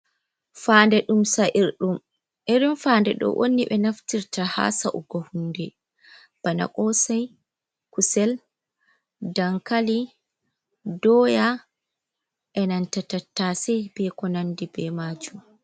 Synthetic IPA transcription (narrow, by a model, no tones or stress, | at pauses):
faːndɛɗumsaʔiɾɗum | ʔɛɾumfaːndɛɗɔ̰ʔo̰nːiɓɛnaftiɾtaha̰saʔuɡɔhundɛ | b̥ana̰kɔsaj | kusɛl | daŋkali | dɔːja | ʔɛnantatatːasɛbɛkɔnandibɛmaːd͡ʒum